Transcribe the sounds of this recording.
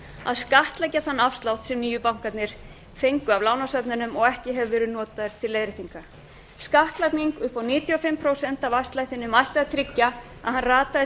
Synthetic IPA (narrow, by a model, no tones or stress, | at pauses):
a̰ðskaht̪lajcaθanːafst̪lawht̪sɛmniːjʏpawŋ̥kat̪nɪɾ̥ | fejŋkʏavlawnasœpnʏnʏmɔɣɛhcɪɦɛvvɛːɾʏnɔːt̪aðɪɾ̥t̪ʰɪlːeːjðɾɪt̪iŋka | skaht̪lajt̪niŋkʏhpawniːt̪iɔfɪmpʰɾowsɛn̥t̪avafst̪lajht̪ɪnʏmajht̪aat̪ʰɾɪcːa | a̰ðhanraːt̪aðɪ